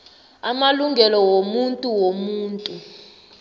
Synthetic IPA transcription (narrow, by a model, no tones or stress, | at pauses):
amaluŋɡʱɛlɔwomuntʼuwomuːntʼu